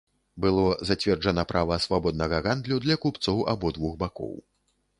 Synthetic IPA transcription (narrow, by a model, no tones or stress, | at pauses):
bɨlˠɔzat͡sʲvʲɛrd͡ʐɐnɐpɾʔavɐsvabɔd̪nɐɣɐɣand̪lʲud̪lʲɐkupt̪sɔwʔa̰bɔd̪vuxbakɔ̰w